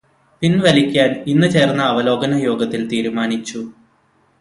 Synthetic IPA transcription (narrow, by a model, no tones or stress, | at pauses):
pinʋɐlikʲːaːninːɨt͡ɕe̞ːrnːɐːʋɐlo̞ːɡɐnɐjo̞ːɡɐt̪ːilt̪iːɾumaːnit͡ɕːu